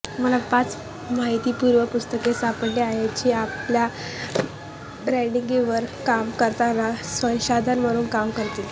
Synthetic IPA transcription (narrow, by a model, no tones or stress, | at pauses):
məlapat͡s | maɦit̪iːpuːɾʋəpust̪əkesapəɳleajat͡ɕiːaplja | ɾajɽiŋɡiʋəɾkamkəɾt̪anasʋə̃wɕad̪ʱanʋəɽuːnkamkəɾt̪iːl